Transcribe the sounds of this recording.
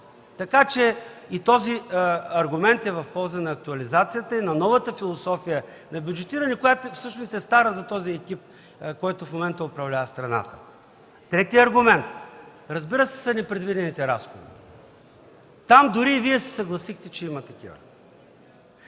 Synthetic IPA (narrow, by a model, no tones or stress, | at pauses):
t̪ɐkat͡ʃɛit̪ɔziɐɾɡʊmɛnt̪ɛvɐfpɔlˠzənɐːk̚t̪ʊɐlizat̪sijət̪əinɐnɔvət̪əfilˠosɔfijə | nɐbʲjud͡ʒɛt̪iɾənɛkojat̪ofsɤʃnosɛst̪aɾəzɐt̪ɔziɛkʲip̚ | kɔjt̪ʊfmomɛnt̪əʊpɾɐvlʲavɐst̪ɾɐna̰t̪ə̥ | t̪ɾɛt̪iɐɾɡʊmɛnt̪ɾɐzbiɾəsɛ̥sɐnɛpɾɛd̪vid̪ɛnit̪ɛɾasxo̰vḭ | t̪amd̪ʊɾiːviɛsɛ̥sɐɡlˠɐsixt̪ɛt͡ʃɛimət̪ɐk̟ḭvə̰